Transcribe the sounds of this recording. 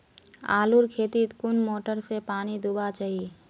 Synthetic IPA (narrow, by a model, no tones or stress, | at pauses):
a̰ːluɾkʰeːt̪it̪kʊnmoːʈəɾsepaːnid̪ubat͡ʃaɦi